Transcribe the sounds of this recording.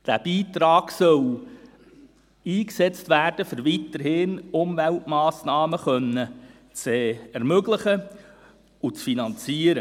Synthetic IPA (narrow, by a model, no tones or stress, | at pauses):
d̥æb̥iːt̪ɾɑːɡ̥sœl | iːksɛt͡stʋæːrd̥əfəɾʋit̪əɾhɪnʊmvɛltmɑːsnɑːməχœnːə | t͡sɛɛɾmøɡləχə | ut͡sfinɑnt͡siːəɾə